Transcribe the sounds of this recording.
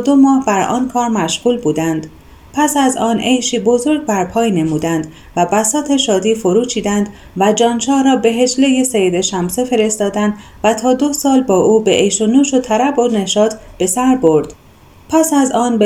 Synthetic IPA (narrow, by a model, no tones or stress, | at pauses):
d̪omɒːhbæɾɒ̰ːnkʰɒːɾmæʃɣ̥uːlbuːd̪ænd̪̥ | pʰæsæzɒːnʔe̞jʃiːbo̞zo̞ɾɡbæɾpʰɒːjne̞muːd̪ænd̪ | væbæsɒːt̪ʰe̞ʃɒːd̪iːfoɾuːt͡ʃʰiːd̪ænd̪ | væd͡ʒɒːnʃɒːhɾɒːbe̞ɦe̞d͡ʒle̞jesejed̪e̞ʃæmsefe̞ɾe̞st̪ɒːd̪ænd̪ | væt̪ʰɒːd̪o̞sɒːlbɒːʔuːbeʔejʃonuːʃot̪ʰæɾæbone̞ʃɒːt̪ʰb̥e̞sæɾbo̞ɾd̪̥ | pʰæsæzɒːnb